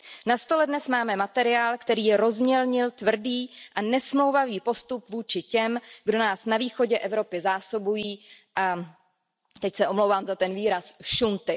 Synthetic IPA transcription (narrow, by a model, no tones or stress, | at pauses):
nast̪o̞lɛdnɛsmaːmɛmat̪ɛɾɪaːlkt̪ɛɾiːjɛɾo̞zmɲɛlɲɪlt̪vr̩diːʔanɛsmlowvaviːpo̞st̪upvuːt͡ʃɪcɛmɡdo̞naːsnaviːxo̞ɟɛʔɛvɾo̞pɪzaːso̞bujiː | ʔa | t̪ɛcsɛʔo̞mlowvaːmzat̪ɛnviːɾasʃunt̪ɪ